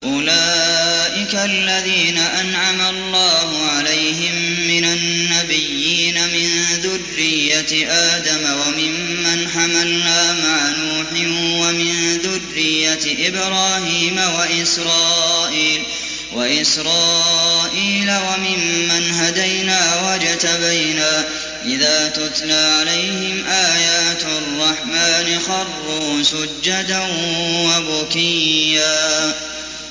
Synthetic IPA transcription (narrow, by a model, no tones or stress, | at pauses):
ʔʊlaːʔɪkalːaðiːnaʔanʕamalˤːɑːɦʊʕalajɦɪmː | ɪnanːabɪjːiːnamɪnðʊrːɪjːat̪ʔaːd̪amawamɪmːanħamalnaːmaʕanuːħɪwamɪnðʊrːɪjːat̪ʔɪbɾɑːhiːmawaʔɪsɾɑːʔiːl | waʔɪsɾɑːʔiːlawamɪmːanɦad̪ajnaːwad͡ʒat̪abajnaː | ʔɪðaːt̪ʊt̪ˤlaːʕalajhɪmʔaːjaːt̪rˤːɑħmaːnɪxɑrˤːʊsʊd͡ʒːad̪anwabʊkɪjːaː